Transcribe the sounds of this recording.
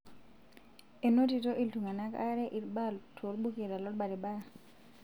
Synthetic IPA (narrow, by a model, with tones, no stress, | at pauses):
e˨no˦ti˨to˦ʔi˨ltu˨ŋa˨na˦ka̰˦ɾɛ˦ʔi˨lɓa˦ltʰo˨ɾɓu˦ke˨ɾa˨lɔ˦ɾɓa˨ɾi˨ɓa˦